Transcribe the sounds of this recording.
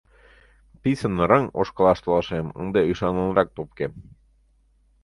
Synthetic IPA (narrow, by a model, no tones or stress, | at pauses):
pisə̆nːɤ̆ɾɤŋo̰ʃkɤ̆lˠɑʃt̪ɤ̆lˠɑʃemə̰nd̪eyjʃɑnɤ̆nɾɑk̚t̪op̚kem